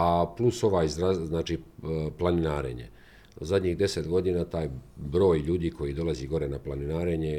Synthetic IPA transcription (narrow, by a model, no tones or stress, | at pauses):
apluso̞ʋaːizɾaznaːt͡ʃiplˠaninaːɾḛɲḛ | zad̪ʲɲiːɣd̪e̞set̪ɡo̞d̪iːnat̪aːjbɾo̞ːjʎuːd̪iːkʰo̞jid̪o̞lˠaziɡo̞ɾenaplˠaninaːɾeɲe